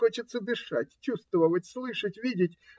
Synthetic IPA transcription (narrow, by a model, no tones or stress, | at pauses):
ot͡ɕɪt̪səd̪ɨʂatʲt͡ɕust̪vəvəvətʲslˠɨʂətʲvʲidʲɪtʲ